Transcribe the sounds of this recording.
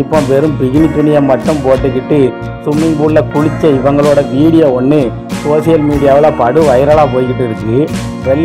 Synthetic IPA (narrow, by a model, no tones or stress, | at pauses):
ɪpːõːpɛɾɯmpɪɣɪnɪt̪ːʊnɪjɐmːɐʈːɯmpoːʈːɯkːɪʈːɯ | sʊmɪŋbuːllɐkʊɻɪt͡ʃːɐɪʋɐŋɡɐɭoːɽɐʋiːɽɪjɐɔnːɯ | soːsɪjɐlmiːɽɪjaːʋɪlaːpɐɽɯʋɐjɪɾɐːɭaːpoːjkɪʈːɪɾɯkːɯ | ʋɛlː